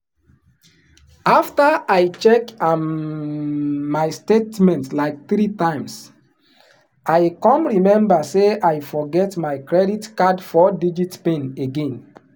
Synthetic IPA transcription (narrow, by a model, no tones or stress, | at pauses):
aftaaɪt͡ʃɛkam | aɪstetmɛ̃ntlaɪk̚θɹitãɪ̃ms | aɪkɔ̃mɹimɛ̃mbəseajfɔɡɛtmaɪkɹɛditkadfɔdid͡ʒitpẽneɡẽn